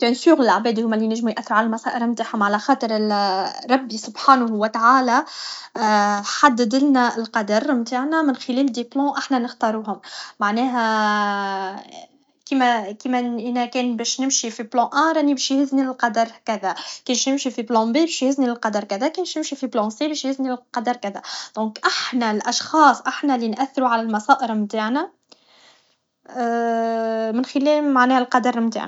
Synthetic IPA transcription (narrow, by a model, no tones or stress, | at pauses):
t̪nsuːɣlɪlaʕbɛːd̪huːmːælːinæʒːmujʔæθːɪɾʕalælmɑsæːʔɪɾɪlmt̪aːħhʊmʕalæxɑːt̪ˤəɾˤ | ɾˤːɑbːisʊbħaːnahwɪt̪aʕaːlæ | ħad̪ːɪd̪ɪlnæɪlqɑd̪ɑɾˤmt̪aːʕnæmɪnxɪlɛːld̪eplɑ̃ʔaħnænəxt̪ɑɾˤuːhʊmːaʕnɛːɦæ | kiːmækimæʔɪnækɛːnbɛːʃnɪmʃifiblɑ̃ʔæɾˤʔænːibɛʃjhɪznilqɑd̪ɑɾˤkæðækɛːnʃnɪmʃifiblɑ̃bibɛːʃjhɪzniɪlqɑd̪ɑɾˤkæðækɛːnʃnɪmʃifiblɑ̃sibɛːʃjhɪzniqɑd̪ɑɾˤkæðæd̪̥ɔ̃ːkʔaħnælʔɑʃxɑːsˤʔaħnælinʔæθːɪɾuʕalælmɑsɑːʔəɾmt̪aːʕnæ | mɪnxɪlɛːlmaʕnɛːhælqɑd̪ɑɾˤmt̪a̰ʕnæ